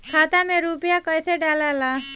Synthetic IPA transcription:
kʰaːt̪amẽɾupjakəjseɖalala

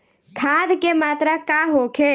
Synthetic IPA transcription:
kʰaːd̪kemaːt̪ɾakaɦokʰe

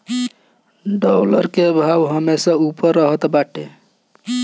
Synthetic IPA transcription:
ɖɔwləɾkebʱawɦəmesəupəɾːəɦət̪baʈe

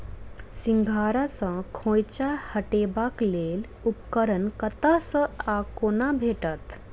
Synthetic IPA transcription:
siŋɡʱaːɾasə̃kʰõːjt͡ɕahəʈeːbakleːl | upkəɾənkət̪əsə̃akoːnabʱeːʈət̪

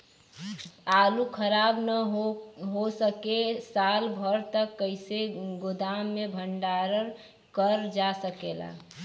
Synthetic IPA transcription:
alukʰəɾabnə | ɦosəkesalbʱəɾt̪əkːəɪseɡʊd̪amːebʱəɳɖaɾəɾ | kəɾd͡ʒasəkela̰

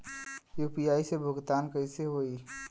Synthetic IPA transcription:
juːpijaːisebʱʊɡt̪aːnkəɪseɦoːi

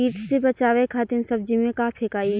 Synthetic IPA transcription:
iːʈsebɐt͡ʃaːʋekʰaːt̪ɪnsɐb̚d͡ʒimẽkaːpʰɪkaːi

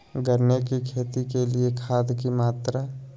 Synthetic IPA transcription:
ɡəɾnekikʰeːt̪ikeliekʰaːd̪kimaːt̪ɾa

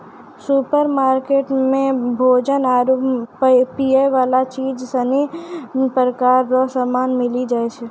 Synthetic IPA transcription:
supəɾmaːɾkeːʈmẽbʱoːd͡ʒənaːɾu | pieʋaːlat͡ʃiːd͡ʒsənipəɾəkaːɾːɔsamaːnmɪlid͡ʒaːet͡ʃʰɛ

